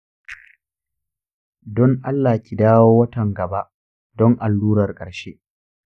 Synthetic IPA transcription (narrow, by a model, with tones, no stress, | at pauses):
dɔ˦ŋʔa˦lːaː˨kʲʼi˨daː˦woː˦wɐ˦tɐ˨ŋɡɐ˨ba˦ʔ | dɔ˦ŋʔa˨lːuː˦ɾɐ˨rkʼɐ˨ɽʃeː˦